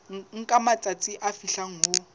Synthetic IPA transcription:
ŋ̩kʼamat͡sʼat͡sʼɪʔafiɬaŋ̩ɦʊ

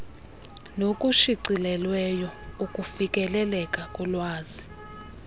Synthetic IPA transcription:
nokʼuʃiǀilɛlwɛjɔukʼufikʼɛlɛlɛkʼakʼulwaːzi

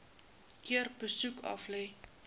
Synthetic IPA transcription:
kiərbəsukʰɐ̰flɛj

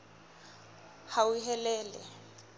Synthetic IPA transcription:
hawiɦɛlɛːlɛ̰

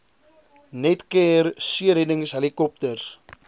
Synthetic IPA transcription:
nɛtkɛrsiəɾɛnəŋsɦɛlikɔp̚tərs

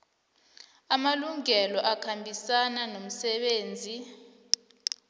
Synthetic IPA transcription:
amaluŋɛlɔʔakʰambʱisananom̩sɛɓeːnd͡zʱi

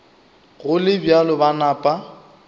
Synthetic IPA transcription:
ɣʊlɪbjalɔbanaːpʼa

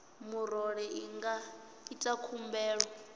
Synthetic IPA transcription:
muɾɔɺɛiŋɡa | itʼakʰumbɛːɺwɔ

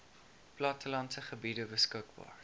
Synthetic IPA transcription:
plɑtəlɐnsəχəbidəbəskəkbɑ̰ːr

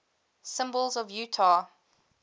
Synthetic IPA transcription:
sɪ̃mbəlˠzɔvjʉːtʰa

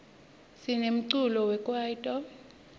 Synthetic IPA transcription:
sinem̩ǀulɔwɛkʼwaitʼɔ

